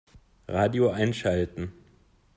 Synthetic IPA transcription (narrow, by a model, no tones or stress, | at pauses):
ʁaːdioʔaɪnʃaltn̩